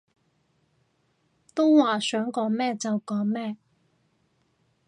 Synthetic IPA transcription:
t̪o˥wwaː˨sœː˨˥ŋkɔː˨˧˥ŋmɛː˥t͡sɐ˨wkɔː˨˥ŋmɛː˥˩

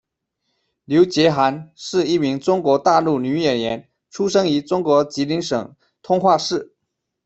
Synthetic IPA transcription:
ljo˧˥ʊt͡ɕjɛ˧˥xa˧˥nʂɻ̩˥˧i˥˩mi˧˥ŋʈ͡ʂʊ˥ŋkwɔ˧˥t̪a˥˧lu˥˩ny˧˥jɛ˨˩njɛ˧˥n | ʈ͡ʂʰu˥ʂɤ˥ŋi˧˥ʈ͡ʂʊ˥ŋkwɔ˧˥t͡ɕi˧˥li˧˥ŋʂɤ̰˨˩ŋ | t̪ʰʊ˥ŋxwa˥˧ʂɻ̩˥˩

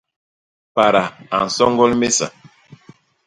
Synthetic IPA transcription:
pa˨ɾa˨a˨n̩˨sɔ˦ŋɡɔ˦lme˦sa̰˨

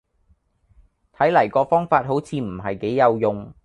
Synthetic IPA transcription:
t̪ʰɐ˨˥jlɐ˨˩jkɔː˧fɔː˥ŋfaː˧t̚ɦo˨˥wt͡sʰiː˧m̩˨˩ɦɐ˨jke˨˥jːɐ˨˧wjʊ˨ŋ

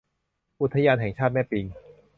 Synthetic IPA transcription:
ʔu˦˥˩t̪ʰːa˧jaː˧nɦɛː˨˩˦ŋt͡ɕʰaː˥˩t̪̚mɛː˥˩pi˧ŋ

